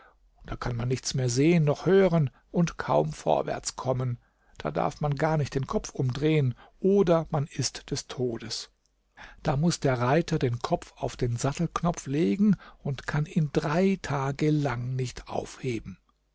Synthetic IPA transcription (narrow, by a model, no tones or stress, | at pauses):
d̥aːkʰanmanːɪçt͡smeːɐzeːənːɔχhøːʁən | ʔʊntkʰaʊmfo̰ɐvɛ̰ɐt͡skʰɔmən | d̥a̰ːda̰ɐfmanɡaːɐnɪçt̚d̥eːnkʰɔp͡fʔʊmdʁeːənʔoːdɐmanɪstd̥ɛstʰoːdəs | d̥aːmʊsd̥eːɐʁaɪtʰɐdeːnkʰɔp͡faʊfd̥eːnzatl̩knɔp͡fleːɡŋ̩ʊntkʰaniːndʁaɪtʰaːɡəlaŋnɪçtʔa̰ʊfheːbm̩